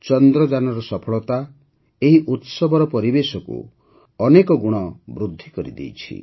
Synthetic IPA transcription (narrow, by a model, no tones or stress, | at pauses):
t͡ʃɔnd̪ɾɔd͡ʒanɔɾɔsɔpʰɔɭɔt̪a | eɦiʔut̪sɔbɔɾɔpɔɾibesɔkṵ | ɔnekɔɡuɽ̃ɔbɾud̪ʱːikɔɾḭd̪ḛjt͡ʃʰḭ